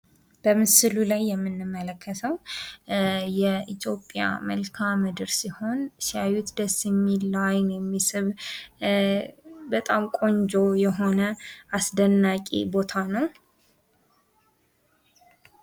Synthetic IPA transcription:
b̥əmɨsɨlulajːɛmːɨnːɨmːələkʰːət̪ʰəw | jɛʔit̪ʰjo̞pʼja̰mə̰lkʰamɨd̪ɨɾsiho̞nsajut̪d̪əsjɛmːilːajnjɛmːisɨβ | bət̪ʼamkʼo̞ɲd͡ʒo̞jɛɦo̞nəʔasd̪ənːakʼḭbo̞t̪ʰanəw

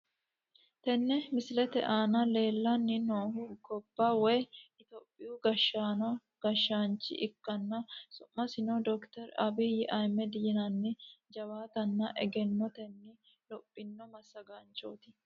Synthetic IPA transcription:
t̪ɛnːɛmɪsɪlɛt̪ɛ̰ʔaːnɐle̞ːlːɐnːɪnoːhʊɡɔbːawɛjɪt̪opʼːɪjuɡɐʃːaːnɔ | ɡ̥ɐʃːaːnt͡ʃːɪ̰ʔɪkːɐnːɐsʊmːɐsɪnɔd̪ɔkt̪ɛɾɐbɪjɪʔɐjmɛd̪jɪnɐnːɪd͡ʒɐwaːt̪ɐnːɐʔɛɡɛnːɔt̪ɛnːɪ | lɔpʼːɪnːɔmɐsːɐɡant͡ʃo̰ːt̪ɪ̥

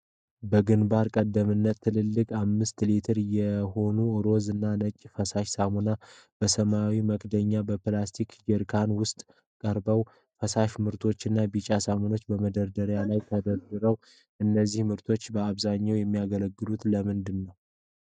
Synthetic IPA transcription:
bəɡɨnbaɾkʼəd̪ːəmɨnːət̪ʰːɨlɨlːɨkʼamːɨst̪lit̪ʰɨɾjɛho̞nuɨɾo̞zɨnːanət͡ʃʼːfəsaʃsamuna | b̥əsəmawiməkd̪əɲːabəplast̪ʰikd͡ʒɛɾkʰanwʊst̪ʼ | kʼəɾbəw | fəsaʃmɨɾt̪ʰo̞t͡ʃːɨnːabit͡ʃʼasamono̞t͡ʃːbəməd̪əɾd̪əɾjalajt̪ʰəd̪əɾd̪ɨɾəw | ʔɨnːəzːihmɨɾt̪ʰo̞t͡ʃːbəaβzaɲːawjɛmːijaɡələɡːɨlut̪ləmɨnd̪ɨnːəw

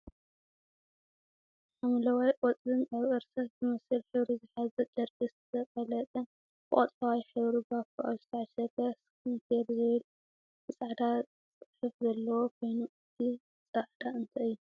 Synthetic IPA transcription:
ħamlɐwajʔʼɔt͡sʼɨnaβɨɾsɐkzɨmɐsɨlħɨβɾizɨħazɐd͡ʒ̪ɐɾɡʼɨszɐkʼɐlɐt̪ʼɐn | bɨʔʼɐ̰t̪ʼɐwajħɨβɾibafɨʔa̰lzɨ̥t̪ʰɐʕʃɐɡɐskɨnt̪ʰeɾzɐjlu | mɨsʼaʕd̪a | sʼɨħɨfzɐlːɐwokʰo̞jnuʔɨt̪ʰi | ɨsʼaʕd̪aɨnt̪ʰɐɨjːu

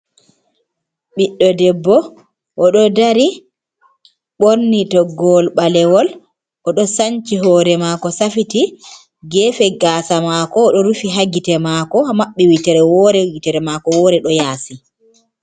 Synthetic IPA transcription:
ɓiɗːɔdɛbːɔ | ʔɔɗɔdaɾi | ɓoɾnitɔɡɔlɓalɛwɔl | ʔɔɗɔsaɲt͡ʃiɦɔːɾɛmakɔsafiti | ɡɛːfɛɡaːsamakɔːɗɔɾufiɦaɡitɛmaːkɔmaɓːɛwitɛɾɛwɔɾɛwitɛɾɛmakɔwɔːɾɛɗɔjaːsi

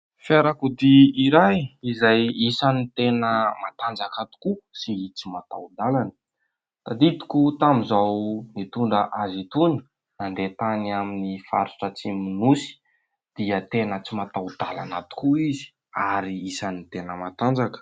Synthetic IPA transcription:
feɾakud̪iiɾajizajisanit̪enəmat̪and͡zakat̪u̥kusit͡simat̪a̰wd̪alanə̥ | t̪ad̪it̪i̥kut̪amizawnit̪uɳɖ͡ʐəʔazit̪uni̥ | nand̪et̪anaminifa̰ɾuʈ͡ʂət͡simunusi̥ | d̪̥iət̪enət͡simat̪awd̪̥ala̰nat̪u̥kuizi̥ | aɾiisanit̪enəmat̪and͡zakə̥

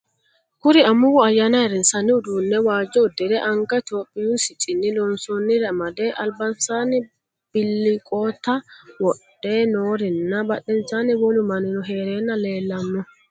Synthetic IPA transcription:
kuɾiamːuwɔajanaɛɾɛnsanːiudunːɛwaːd͡ʒɔdɛdɛʔaŋkat̪opʼːijusit͡ʃʼinːilɔnsɔnːiɾamadɛʔalbansanɛ | b̥ilːikʼɔt̪awɔɗːɛnoːɾɛnːabaɗːɛnt͡ʃanɛwɔlumaninɔɦeːɾɛnːaleːlːɐmːɔ

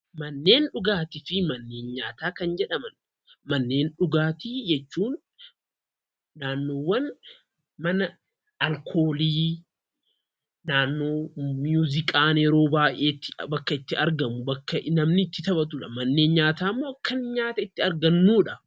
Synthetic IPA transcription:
mɐnːe̞ːnᶑʊɡaːt̪ɪfɪmɐnːe̞ːnɲaːt̪aːkɐnd͡ʒɛᶑɐmɐn | mɐnːe̞ːnᶑʊɡaːt̪ɪd͡ʒɛt͡ʃːuːn | aːnːo̞ːwːɐn | mɐnɐ | ɐlkʰo̞ːliː | naːnːo̞ːmjuːzɪkʼaːneɾo̞ːbaːʔʔeːt̪ːɪbɐkːɐɪt̪ːɪɐɾɡɐmʊbɐkːɐnɐmnɪt̪ːɪt̪ɐbɐt̪̬ʊᶑɐmɐnːe̞ːnɲaːt̪aːmːoːɐkːɐnɲaːt̪ɐɪt̪ːɪɐɾɡɐnːuːᶑɐ

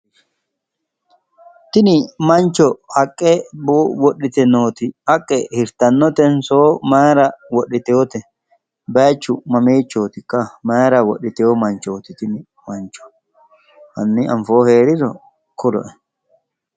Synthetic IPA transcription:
t̪ɪnɪmɐnt͡ʃːɔɐkʼːɛbowɔɗɪt̪ɛnoːt̪ɪhɐkʼːɛhɪɾt̪ɐnːɔt̪ɛnsoːmaːɾɐwɔɗɪt̪eɔt̪ɛ | baːt͡ʃːʊmɐmeːt͡ʃːoːt̪ɪkʼːɐmaːɾɐwɔɗɪt̪ɛɔmɐnt͡ʃoːt̪ɪt̪ɪnɪ | mɐnt͡ʃɔ̥ | ʔɐnːɪɐɱfoːheːɾɪɾɔ | kʊlɔ̰ʔɛ

